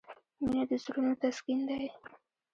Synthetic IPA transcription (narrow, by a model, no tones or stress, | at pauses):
minad̪əzɾunot̪askind̪aj